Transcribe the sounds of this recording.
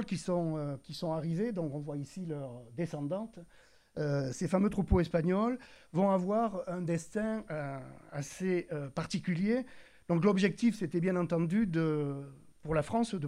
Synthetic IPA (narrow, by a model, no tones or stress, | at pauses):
lkʲisɔ̃økʲisɔ̃aʁived̪ɔ̃kɔ̃vwaisilœʁd̪esɑ̃d̪ɑ̃t̪ | øsefamøt̪χupoɛspaɲɔlvɔ̃avwaʁɛ̃d̪ɛst̪ɛ̃ | aseøpaʁt̪ikʲylje | d̪̥ɔ̃klɔbʒɛk̚t̪ifset̪ɛbjɛ̃nɑ̃t̪ɑ̃d̪yd̪ə | puʁlafχɑ̃sd̪ə